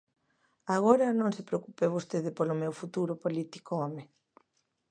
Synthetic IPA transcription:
aɣ̞oɾɐnõŋsɪpɾeokupeβost̪eðɪpolʊmewfut̪uɾʊpolit̪i̥koɔme

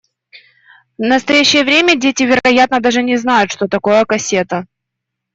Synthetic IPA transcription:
nəst̪ɐjæɕːɪjəvɾʲemʲədʲetʲɪvʲɪɾɐɡɐjat̪̚nəd̪aʐɨnʲɪznajʊt̪ʂt̪o̞t̪ɐko̞jəkɐsʲet̪ə

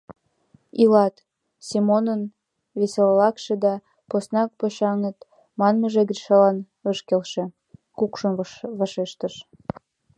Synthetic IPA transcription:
ilɑt̪ | simonən | βesellɑkʃĕd̪ɑ | posnɑk̚poɕɑŋət̪ | mɑnməʒeɡriʃɑlɑn | əʃkelʃĕ | kukʃənβɑʃeʃt̪əʃ

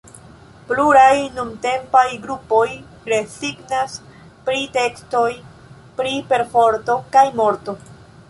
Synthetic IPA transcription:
pluɾajnumte̞mpajɡɾupo̞j | ɾe̞siɡnas | pɾite̞ksto̞j | pɾipe̞ɾfo̞ɾto̞kajmo̞ɾto̞

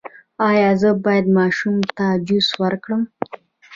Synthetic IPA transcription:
ɑjɑzəbɑjad̪mɑʃumt̪ad͡ʒuswəɾkɽəm

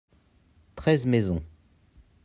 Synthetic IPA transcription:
t̪χɛzmezɔ̃

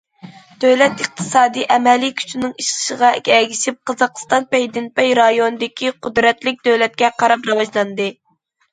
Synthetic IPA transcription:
d̪̥øwlɛt̪əq̚t̪ʰɨ̥sɑːd̪iʔɛmɛlikʲʰy̥t͡ʃʰinɪŋiʃqə̥ʃəʁɑkʲɛɡʲiʃip̚qʰɑzɑqst̪ɑnpɛjd̪ɪnpɛjɾɑjonɨd̪ɪkʲʰiqʰʊd̪ɾɛt̪lɪk̚ʲd̪̥øwlɛt̪̚kʲɛqʰɑɾɑpɾɑwɑʒlˠɑnd̪ɨ

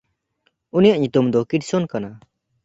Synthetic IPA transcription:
unijaʔɲut̪umd̪ɔkiʈsɔnkana

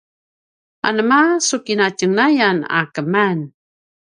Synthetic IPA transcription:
a̰nəmasukinacəŋnajana̰kəman

